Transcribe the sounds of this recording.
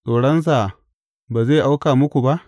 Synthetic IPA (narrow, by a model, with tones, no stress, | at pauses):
sʼoː˨ɽɐ˦ns̬a˨ | baː˨zeː˦˨ʔa˦wkaː˨mʊ˦kʷu˨ba˦ʔ